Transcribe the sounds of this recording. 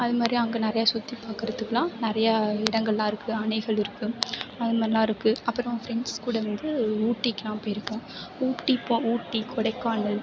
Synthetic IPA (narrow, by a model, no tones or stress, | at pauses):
ɐðɯmaːd̪ɾiɐŋɡɐnɪɾɐjaːsʊt̪ːipaːkɪɾɐðɯkːɐlãːnɪɾɐjɐɪɽɐŋɡɐɭlãːɪɾɯkːɯɐɳɐɪɣɐɭɪɾɯkːɯɐðɯmaɾɪlːãːɪɾɯkːɯɐpːɯɾɐ̃fɾɛɳɖskuːɽɐʋɐnd̪ɯuːʈːikːɪnãːpːoːjɪɾɯkːʊ̃ | uːʈːipːõːuːʈːikʰɔɽɐɪkːaːɳɯ